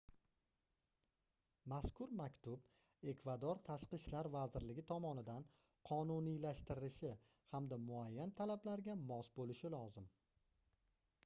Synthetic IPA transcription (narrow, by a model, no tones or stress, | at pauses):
maskʰʊɾmakʲt̪ʰʊb | e̞kvad̪ɒɾt̪ʰaʃqɨʃlaɾvazɪɾlɪɡʲɪt̪ʰɒmɒnɪd̪an | qʰɒnunijlaʃt̪ɪɾɪɪʃɪ | hamd̪amʊajːant̪ʰalablaɾɡʲamɒsbolɪʃɪlɒzɪm